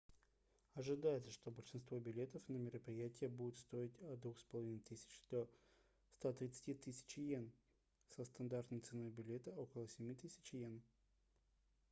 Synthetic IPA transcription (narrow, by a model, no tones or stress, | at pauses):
ɐʐɨd̪ajɪt̪səʂt̪o̞bəlʲʂɨnst̪vo̞bʲɪlʲe̞t̪əfnəmʲɪɾəpɾʲɪjætʲɪjəbudʲɪt̪st̪o̞ɪtʲɐd̪vuxspəlˠɐvʲinɨt̪ɨsʲɪ̥t͡ɕd̪̥o | st̪at̪ɾʲɪt̪sɨ̥tʲit̪ɨsʲɪ̥t͡ɕjen | səst̪ɐnd̪art̪nəjt̪sɨno̞jbʲɪlʲe̞t̪əokəlˠəsʲɪmʲit̪ɨsʲɪ̥t͡ɕjen